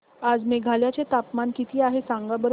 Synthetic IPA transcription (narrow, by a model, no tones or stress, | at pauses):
ad͡zmeɡʱaljat͡ɕet̪apmankit̪ʰiːaɦesãŋɡabəɾ